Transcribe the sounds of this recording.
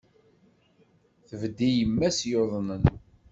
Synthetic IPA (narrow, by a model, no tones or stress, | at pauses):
θəvd̪ijəmːæsjoðˤnən